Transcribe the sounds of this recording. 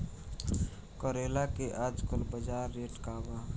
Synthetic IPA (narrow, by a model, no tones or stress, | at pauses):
kəɾeːlakeʔaːd͡ʒkəlbəd͡ʒaːɾːeːʈkaːba